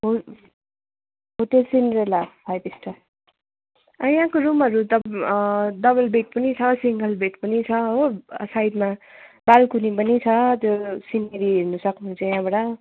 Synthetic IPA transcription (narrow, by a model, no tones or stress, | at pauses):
ɦo | ɦoʈelsinɾelapʰajpisʈa | ʌjãkoɾumɦʌɾut̪ʌ | d̪ʌbʌlbeʈ̚pʌnit͡sʰʌsiŋɡʌlbʱeʈpʌnit͡sʰʌɦosajd̪mabalkunipʌnit͡sʰʌt̪josineɾiɦeɾnusʌknuɦunt͡sʰʌ̃jãbʌɽʌ